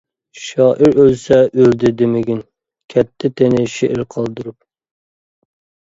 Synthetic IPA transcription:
ʃɑːʔɪɾølsɛʔøɾd̪ɪd̪ɪmɪɡʲin | kʲʰɛt̪ʰːɪt̪ʰenɪʃeʔɪɾqʰɑlˠd̪uɾup̚

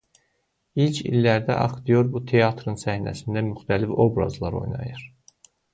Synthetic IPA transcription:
ilcʰḭlːæɾd̪æ̰ʔɑχd̪ijoɾbut̪ʰe̞ɑt̪ʰɾɯnsæhnæ̰sind̪æmyxt̪ʰælifo̞bɾɑ̰zlˠɑɾo̞̰jnɑ̰jɯɾ

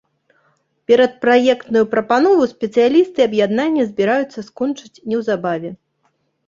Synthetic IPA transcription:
pʲɛɾɐt̪̚pɾajɛkt̪nujupɾɐpanɔvusʲpʲɛt̪sɨjalʲist̪ɨɐbjad̪nanʲːɐzʲbʲɛɾajut̪sːɐskɔnt͡ʂɨt͡sʲnʲɛwzabavʲɛ

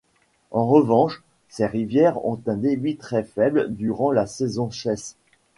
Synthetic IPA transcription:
ɑ̃ʁəvɑ̃ʃ | seʁivjɛʁɔ̰̃t̪ɛ̃d̪ebit̪χɛfɛbld̪yʁɑ̃lasɛzɔ̃ʃɛs

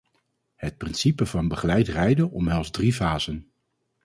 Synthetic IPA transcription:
hət̚prɪnsipəvɑnbəχəlɛjtrɛjdəʔɔmɦɛlˠzdrivaːzən

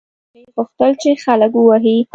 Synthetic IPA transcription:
jpʊxt̪əlt͡ʃexaləkwaɦi

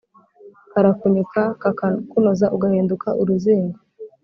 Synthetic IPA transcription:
kaɾakuɲukʰakunozaʔuɡahiːndukʰaʔuɾuziːŋɡa

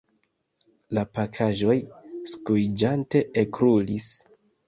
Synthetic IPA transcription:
lapakʰaʒo̞jskujd͡ʒante̞ʔekɾulis

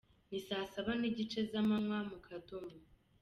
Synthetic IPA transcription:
nisaːsaβaniɟit͡ʃe̞zamanwamukʰatomu

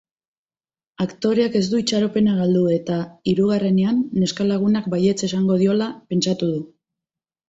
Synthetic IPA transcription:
akt̪o̞ɾe̞ake̞zd̪uit͡ʃaɾo̞pe̞naɣald̪ue̞t̪aiɾuɣ̞are̞ne̞anːe̞skalaɣ̞unak̚baje̞t͡se̞saŋɡo̞ðio̞lape̞nt͡ʃat̪uðu

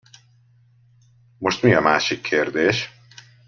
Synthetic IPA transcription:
moʃt̪mijɒmæʃikʰːeɾd̪eʃ

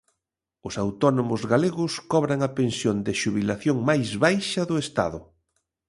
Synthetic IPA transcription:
ʊsawt̪ɔnomʊzɣaleɣʊskɔβɾaŋɐpensjond̪ɪʃuβilaθjoŋmajzβajʃɐðʊest̪a̰ðʊ

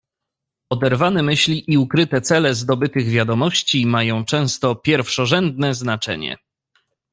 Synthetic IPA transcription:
ɔd̪ɛɾvanɛmɘɕlʲiʔiukɾɘt̪ɛt̪sɛlɛzd̪ɔbɘt̪ɘɣvʲjad̪ɔmɔɕt͡ɕimajɔ̃w̃t͡ʂɛ̃w̃st̪ɔpʲjɛɾfʂɔʐɛnd̪nɛznat͡ʂɛ̰ɲɛ̰

